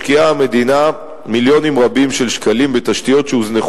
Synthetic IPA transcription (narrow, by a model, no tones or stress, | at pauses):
kiaame̞d̪ina | miljo̞nimʁabimʃelʃkalimbet̪aʃt̪ijo̞t̪ʃeuzneχ